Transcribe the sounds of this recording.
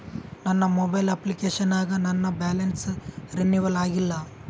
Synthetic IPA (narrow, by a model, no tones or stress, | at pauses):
nɐnːɐmobajlɐplikeɕɐnaːɡɐnɐnːabælensɾenːiʋɐlaːɡilːa